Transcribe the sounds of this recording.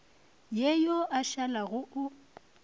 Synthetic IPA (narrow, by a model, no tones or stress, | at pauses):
jejɔʔaʃalaɣʊʔʊ